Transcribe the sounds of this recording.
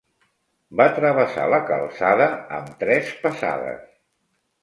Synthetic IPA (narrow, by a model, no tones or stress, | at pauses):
bat̪ɾəβ̞əsa̰ləkəlˠsaðəə̰mt̪ɾɛspəsa̰ðə̰s